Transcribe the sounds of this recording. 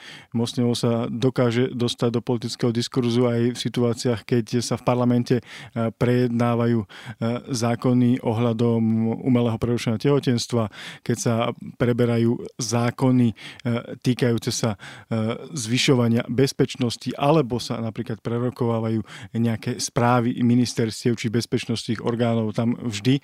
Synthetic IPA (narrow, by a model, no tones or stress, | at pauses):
mɔsliɔʊsad̪ɔkaːʒɛd̪ɔst̪aɟ̚d̪ɔpɔlit̪̬it͡skɛɦɔd̪iskuɾzuajfsit̪uaːt͡siaxkɛcsafpaɾlamɛncɛpɾɛjɛd̪naːʋajuː | zaːkɔniʔɔɦʎad̪ɔmṵːmɛlɛːɦɔpɾɛɾuʃɛnɛɦɔcɛɦɔcɛnst̪ʋakɛcsapɾɛbɛɾajuːzaːkɔnit̪iːkajuːt͡sɛsa | zʋiʃɔʋaɲɪa̰bɛspɛt͡ʃnɔsciʔalɛbɔsanapɾiːklat̪̚pɾɛɾɔkɔʋaːʋajuːɲɛakɛspɾaːʋḭminist̪ɛɾscɪɛʊt͡ʃibɛspɛt͡ʃnɔst̪iːɣɔ̰ɾɡaːnɔʊt̪amvʒd̪i